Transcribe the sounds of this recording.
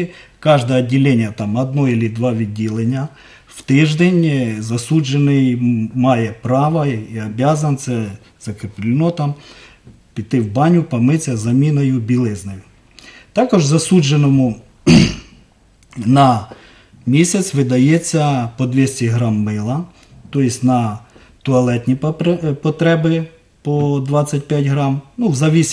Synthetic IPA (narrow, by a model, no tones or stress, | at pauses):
kɑʒd̪ɐjɐdʲːɪlʲenʲjɐt̪ɑmɐd̪̚nɔilʲɪd̪ʋɑʋʲidʲilˠenʲːɐ | w̥t̪ɪʒd̪enʲzɐsuʒenɪjmɑjɛpɾɑʋɐiɐbʲazɐnt̪sɛ | z̥ɐkɾʲɪplʲɪnɔt̪ɑm | pʲɪt̪ɪwbɑnʲʊpɐmɪt͡sʲɐzɐmʲinɐjʊbʲilˠɪznɐjʊ | t̪ɑkɔʒzɐsud͡ʒenɔmʊ | nɐ | mʲisʲɐt͡sʲʋɪd̪ɐjɛt͡sʲːɐpɔd̪ʲʋʲisʲtʲiɦɾɑmːɪlˠɐ | t̪ɔjɪsʲtʲnɐ | t̪ɔɐlˠɛt̪ʲnʲipɔt̪ɾɛbɪ | pɔd̪ʋɑt͡sʲːɐt̚ʲpʲjatʲɦɾɑmnuwzɐʋʲisʲ